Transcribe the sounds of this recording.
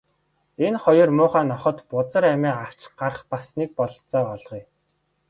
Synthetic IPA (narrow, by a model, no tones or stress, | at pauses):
enχɔjɞ̆rmʊːχaːnɔχɞ̆t̪pʊt͡sə̆ɾæmæːaw̥t͡ɕɢ̥arχpasniːk̚pɔɮ̆t͡sɔːɔɮʁiː